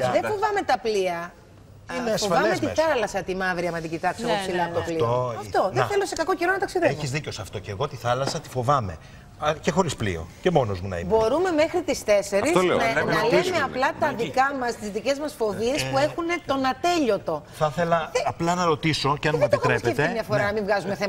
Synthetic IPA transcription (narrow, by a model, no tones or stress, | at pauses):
ðefo̞vɐme̞t̪ɐpliɐ | ifoɐmet̪iθɐlɐsɐt̪imɐvɾiɐmɐt̪iɟit̪ɐkseosilɐt̪oplioɐft̪o̞ðeθelo̞se̞kɐkoceɾonɐt̪ɐksiðeeoizðicosɐft̪o̞ceɣo̞t̪iθɐlɐsɐt̪i̥fo̞vɐme̞ | ɐcexo̞ɾisplḭo̰cemo̞nozmunɐ̰ḭbo̞ɾume̞me̞xɾit̪ist̪e̞se̞ɾɾisnenɐlemeɐplɐt̪ɐðikɐmɐst̪izðice̞zmɐsfo̞vie̞spue̞xune̞t̪o̞nɐt̪e̞ʎo̞t̪o̞θɐθelɐɐplɐnɐɾo̞t̪iso̞ceɐnmɐep̪iɾepet̪emɲɐfoɾɐnɐmivɣɐzume̞θemɐ